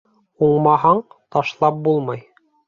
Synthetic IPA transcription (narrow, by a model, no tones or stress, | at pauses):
uɴmɑɦɑɴt̪ɑʃlˠɑp̚bulˠmɑj